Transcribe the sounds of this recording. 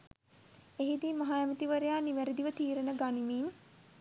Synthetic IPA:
eɦid̪iːmaɦajæmit̪iʋəɾejaːniʋæɾid̪iʋət̪iːɾənəɡanimiːn

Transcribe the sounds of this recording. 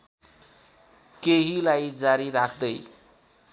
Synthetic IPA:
keɦilajd͡zaɾiɾakʰd̪ʌj

